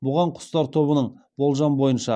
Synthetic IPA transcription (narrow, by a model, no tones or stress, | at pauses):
bʊʁɑɴqʰʊ̥st̪ɑɾt̪ʰo̞βənəɴ | bo̞lˠʒɑnbo̞jənʃɑ